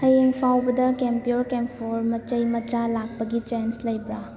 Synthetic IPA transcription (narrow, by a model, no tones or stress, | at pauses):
hɐjeŋpʰawbɐdɐkempioɾkempʰoɾmɐt͡ʃɐjmɐt͡ʃalak̚pɐɡit͡ʃenslɐjbɾa